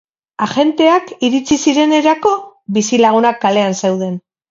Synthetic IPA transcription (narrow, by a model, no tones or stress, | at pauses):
axe̞nt̪e̞akiɾit͡sisiɾe̞ne̞ɾako̞βisilaɣ̞unakːale̞anse̞wðe̞n